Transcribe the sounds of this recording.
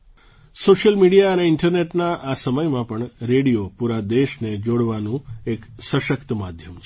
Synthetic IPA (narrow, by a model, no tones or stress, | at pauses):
soʃjəlmiɽijaəneɪɳʈəɾneʈnaʔasəməjmãpəɳɾeɽijopuɾad̪eʃned͡ʒoɽʋanũeksəʃəkt̪əmad̪ʱjəmt͡ʃʰ